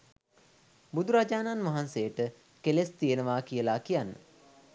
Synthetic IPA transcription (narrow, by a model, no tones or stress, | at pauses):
bud̪uɾad͡ʒaːnanʋaɦansejəʈə | kelest̪ijənəʋaːkijəlaːkijanːə̰